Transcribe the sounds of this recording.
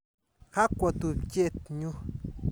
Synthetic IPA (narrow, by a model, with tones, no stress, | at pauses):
xa˦kʷa˧t̪u˧˨bke˦t̪ɲũ˧